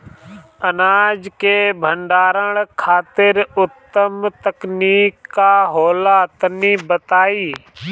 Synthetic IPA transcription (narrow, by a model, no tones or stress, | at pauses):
ənaːd͡ʒkebʱə̃ɳɖaːɾəɽkʰaːt̪ɪɾʊt̪ːəmt̪əkniːkːaɦoːlat̪nibət̪aːiː